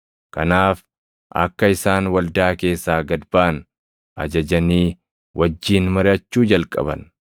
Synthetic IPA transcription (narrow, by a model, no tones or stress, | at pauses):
kɐnaːf | ʔɐ̰kːɐɪsaːnwɐld̪aːke̞ːsːaːɡɐd̪baːn | ʔɐ̰d͡ʒɐd͡ʒɐniː | wʔɐd͡ʒːiːnmɐɾɪɐt͡ʃːuːd͡ʒɐlkʼɐ̰bɐ̰n